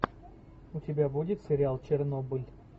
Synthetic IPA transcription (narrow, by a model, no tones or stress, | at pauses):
utʲɪbʲabudʲɪt̪sʲɪɾʲɪalˠt͡ɕɪrnobɨlʲ